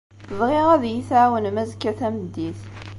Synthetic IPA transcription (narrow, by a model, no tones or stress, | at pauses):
ðˤʁiʁæðjiθʕwənmæzkːæθæmd̪iθ